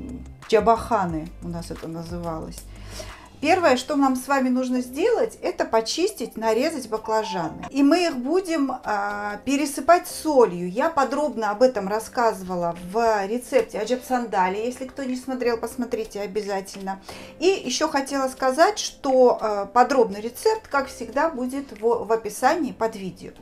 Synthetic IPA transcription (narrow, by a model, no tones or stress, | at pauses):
d͡ʒɐbɐxanɨʊnasɛt̪ənəzɨvalˠə̰sʲ | pʲe̞rvəjəʂt̪o̞namsvamʲɪnuʐnəzʲdʲe̞lˠətʲɛt̪əpɐt͡ɕisʲtʲɪt̚ʲnɐɾʲe̞zətʲbəklˠɐʐanɨ̰imɨixbudʲɪm | pʲɪɾʲɪsɨpatʲsolʲjʊjapɐd̪ɾo̞bnəɐbɛt̪əmrɐskazɨvəlˠəvɾʲɪt̪sɛp̚tʲɪɐd͡ʒəfsɐnd̪alʲɪjesʲlʲɪkt̪onʲɪsmɐt̪ɾʲe̞lˠpəsmɐt̪ɾʲitʲɪɐbʲɪzatʲɪlʲnəijɪɕːo̞xɐtʲe̞lˠəskɐzatʲʂt̪oəpɐd̪ɾo̞bnɨjɾʲɪt̪sɛp̚t̪kakfsʲɪɡd̪abudʲɪt̪vvɐpʲɪsanʲɪːpɐd̪vʲidʲɪ̰ʊ̰